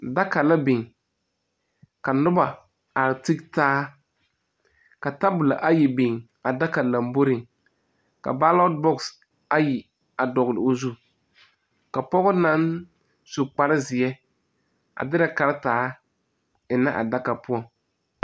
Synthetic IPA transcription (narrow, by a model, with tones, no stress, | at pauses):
da˦ka˨la˦bɪ˨ŋ | ka˨nʊ˦ba˨ | a˨ɾɪ˨ti˦ktaː˦ | ka˨ta˦bʊ˨la̰˨ʔa˦ji˨bɪ˨ŋ | a˨da˦ka˨la˨mbo˦ɾɪ˨ŋ | ka̰˨ba˦lɔ˦d̚bɔ˦ks | a˦ji˨ | a˨dɔ˨ɣlɪ̰˨o˨zu˦ | ka˨pɔ˦ɣʊ˦na˦n | sʊ˨k͡pa˨ɾɪ˦zɪ˨ɛ˦ | a̰˨dɪ˦ɾa˨ka˨ɾɪ˦taː˦ | ɪ˨na˦ʔa̰˨da˦ka˨pʊ˦ɔ˨ŋ